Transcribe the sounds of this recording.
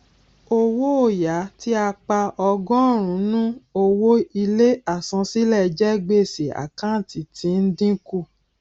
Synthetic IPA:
o˧wo˦o˦˨ja˨˦ti˦a˧k͡pa˧ʔɔ˧ɡɔ̃˦˨ɾ̃ũ˨˦nũ˦o˧wo˦i˧le˦a˦˨sɔ̃˧si˦lɛ˦˨d͡ʒɛ˦ɡ͡be˦˨si˨a̰˨kã˦˨ti˨tʰĩ˨˦n̩˦dĩ˦ku˦˨

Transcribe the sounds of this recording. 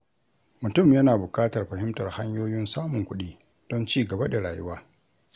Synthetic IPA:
mʊ˨tʊ˦˨mjɐ˦naː˨bʊ˨kaː˦tɐ˨rɸɐ˨hɪ˦mtɐ˨rha˦ɲjoː˦jɪ˦nsaː˦mʊ˨ŋkʷʊ˦ɗiː˦ | d̥ɔ˦nt͡ʃiː˦ɡɐ˨ba˦da˨ɽa̰ː˨jʊ̰˦waː˦

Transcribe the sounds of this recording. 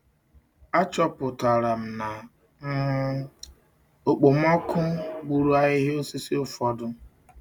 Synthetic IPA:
a˦t͡ʃɔ˦pʊ˨ta˨ɾa˨m̩˨na˨ | m̩˦ | o˨k͡po˨m˦ɔ˦kʊ˦ɡ͡bu˨ɾu˦a˦ɣɪ˦ɦe˦o˦si˦si˦ʊ˦fɔ˦dʊ˦

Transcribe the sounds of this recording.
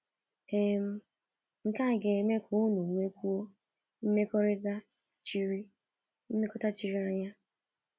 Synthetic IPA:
e˦m̩˦ | ŋ̩˨ka˦˨ɡe˨me˦kʰo˨˦nu˨ŋʷe˦kʷu˦o˦ | m̩˦me˦kɾa˦ | t͡ʃɾ | m̩˦e˦kɔ˦ta˦t͡ʃi˨ɾi˦a˦ɲa˦

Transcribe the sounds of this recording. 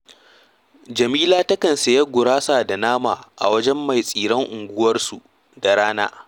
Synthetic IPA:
d͡ʒɐ˨miː˦laː˦tɐ˦kɐ˨nse˨jɐ˦ɡʷʊ˨ɽaː˦saː˨da˨naː˦maː˨ʔa̰˨wɐ˦d͡ʒɛ˦mːa˨jsʼiː˨ɾɐ˦ŋʔʊ˨ŋɡʷʊ˦wɐ˦rsu˨ʔ | da˨ɾaː˦naː˦

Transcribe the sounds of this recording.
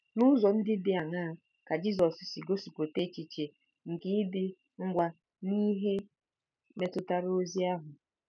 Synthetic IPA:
nʊ˦zɔ˨n̩˦dɪ˦bɪ˨a˨ŋa˦˨ | ka˨d͡ʒi˦zɔ˨ssi˨ɡo˦su˨kʷo˨te˦t͡ʃi˨t͡ʃe˨ | ŋ̩˨kɪ˦ɪ˦dɪ˦ | ŋ̩˦ɡʷa˦ | ni˦ɦe˦ | me˦tʊ˦ta˦ɾo˦zi˦a˦ɦʊ˨

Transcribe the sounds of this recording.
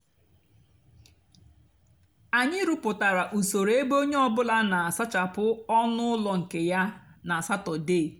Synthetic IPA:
a˨ɲɪ˦ɾʊ˦pʊ˨ta˨ɾa˨ʔu˨so˨ɾe˦bo˦ɲe˦ɔ˦bʊ˦la˦na˨a˨sa˦t͡ʃa˨pʊ˦ɔ˦nʊ˦lɔ˨ŋ̩˨ke˨ja˦na˨a˨sa˦tɔ˨deː˦˨

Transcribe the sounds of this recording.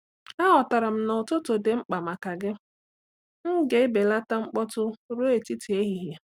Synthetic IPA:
a˦ɦɔ˨ta˨ɾa˨m̩˦nʊ˨tʊ˦to˨de˨ŋ͡m̩˦k͡pa˨ma˨ka˨ɡɪ˦ | m̩˦ɡe˨ɪ˦be˨la˦ta˦ŋ͡m̩˦k͡pɔ˦tʊ˦ɾo˦e˨ti˦ti˨e˦ɦi˨ɦja˨

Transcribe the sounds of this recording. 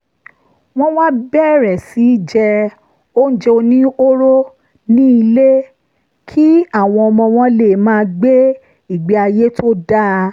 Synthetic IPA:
w̃ɔ̃˦wa˦bɛ˦˨ɾɛ˨si˨˦d͡ʒɛ˧ | o˦n̩˦d͡ʒe˧o˧nĩ˦o˦ɾo˦ | nĩ˦i˧le˦ | kʰi˦a˦˨w̃ɔ̃˧ɔ˧mɔ̃˧w̃ɔ̃˧˦le˨mãː˦˧ɡ͡be˦ | i˦˨ɡ͡be˨˦a˧je˦tʰo˦da˦˧

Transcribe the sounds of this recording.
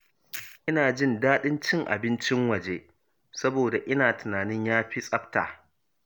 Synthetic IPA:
ʔɪ˦naː˨d͡ʒɪ˦˨ndaː˦ɗɪ˦nt͡ʃɪ˦ŋʔa̰˨bɪ˦nt͡ʃɪ˦ŋwɐ˨d͡ʒeː˦ | sɐ˦boː˨da˨ʔɪ˦naː˨tɪ˨naː˨nɪ˦ɲjaː˦ɸi˦sʼɐ˦ɸta̰ː˨

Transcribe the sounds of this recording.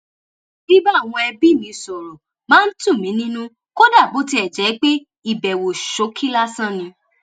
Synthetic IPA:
bi˦ba˦˨w̃ɔ̃˧ɛ˧bi˦˨nĩ˨˧sɔ˨ɾɔ˨ | mãː˦n̩˦tũ˦˨mĩ˨˦nĩ˦nũ˦ | ko˦da˦˨bo˨˦ti˧ɛ˨d͡ʒɛ˨˦k͡pe˦ | i˦˨bɛ˨wo˨ʃo˨˦kʰi˦la˦sã˦˨nĩ˧

